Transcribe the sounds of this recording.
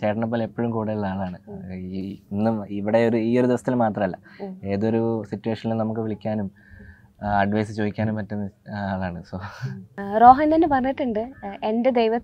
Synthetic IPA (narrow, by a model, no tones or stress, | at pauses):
t͡ɕe̞ːʈɐɳːɐp̬ːoːle̞pːoɻumkuːɽeiɭɐaːɭaːɳɨ | inːumiʋiɽe̞oɾuiːo̞ɾud̪iʋɐsɐ̥t̪ːilmaːt̪rɐmɐlːɐe̞ːðo̞ɾusitːueːʂɐnilunɐmukːɨʋiɭikʲːaːnum | ɐɖʋɐjsɨt͡ɕo̞ːʋikʲːaːnumpɐtːunːɨaːɭaːɳɨsoː | ro̞ːɦɐnːɐnːɨpɐrɐɲːiʈːuɳɖɨe̞nde̞d̪ejʋɐ